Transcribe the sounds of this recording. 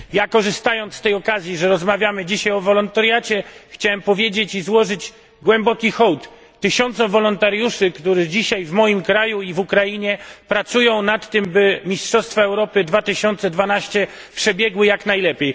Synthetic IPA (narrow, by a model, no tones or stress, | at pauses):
jakɔʐɘst̪ajɔnt̪st̪ɛjɔkazʲjiʐɛɾɔzmavʲjamɘd͡ʑiɕajɔvɔlɔnt̪aɾjat͡ɕɛxt͡ɕawɛmpɔvʲjed͡ʑet͡ɕizwɔʐɘd͡ʑ | ɡwɛmbɔkʲixɔwt̪ː | ɘɕɔnt̪sɔvɔlɔnt̪aɾjuʂɘkt̪uɾɛd͡ʑiɕajvmɔjimkɾajuivukɾajiɲɛpɾat̪sujɔ̃w̃nat̪ːɘmbɘmʲistʂɔst̪faɛwɾɔpɘd̪vat̪ɘɕɔnt̪sɛd̪vanaɕt͡ɕɛ | pʂɛbʲjɛɡwɘjaknajlɛpʲjej